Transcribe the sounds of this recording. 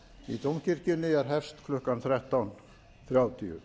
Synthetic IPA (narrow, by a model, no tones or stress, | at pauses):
it̪owmciɾ̥cɪnːɪɛɾ̥ɦɛfst̪kʰlʏhkanθɾɛht̪awn | θɾjaːwt̪ʰiʏ̰